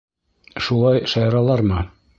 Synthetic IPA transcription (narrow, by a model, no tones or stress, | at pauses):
ʃulˠɑjʃɑjɾɑlˠɑɾmɤ